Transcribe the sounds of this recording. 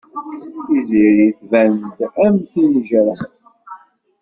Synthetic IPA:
θiziɾiθvænd̪æmθinʒɾə

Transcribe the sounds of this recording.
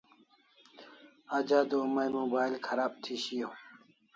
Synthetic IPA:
ad͡ʑaːd̪oːmajmoːbaːilkʰɐɾaːb̚t̪ʰiɕijoː

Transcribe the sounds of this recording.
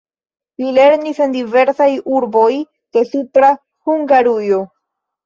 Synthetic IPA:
lile̞ɾnisendive̞ɾsajuɾbo̞j | d̥e̞supɾa | huŋɡaɾujo̞

